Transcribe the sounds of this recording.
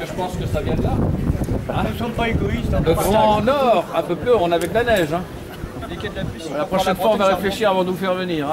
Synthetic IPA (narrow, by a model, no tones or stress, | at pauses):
əʒəpɑ̃skəsavjɛ̃d̪la | aəsɑ̃paeɡɔist̪əɡʁɑ̃nɔʁɛ̃pøpløɔ̃navɛklanɛʒɛ̃ | d̪ekɛd̪lapilapχɔʃɛnfwaɔ̃vaʁefleʃiʁavɑ̃d̪əvufɛʁvəniːʁɛ̃